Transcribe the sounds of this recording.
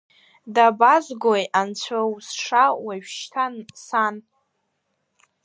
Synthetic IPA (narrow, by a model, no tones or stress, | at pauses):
dabazʷɡojʔant͡ɕʷʰawsʂawaɥʃtʰansan